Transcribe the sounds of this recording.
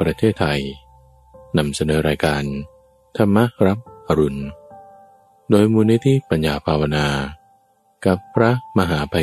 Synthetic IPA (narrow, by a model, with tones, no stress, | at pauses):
pɾa˧t̪ʰeː˥˩t̪ʰːa˧j | na˧msa˧nɤː˩˦ɾaː˧jkaː˧n | t̪ʰa˧mːa˦˥ɾa˦˥p̚ʔa˧ɾu˨˩n | doː˧jmuː˧ni˦˥t̪ʰiː˦˥˨pa˧njaː˧˩pʰaː˧wa˧naː˧ | ka˨˦pʰːɾa˦˥ma˧ɦaː˩˦pʰa˧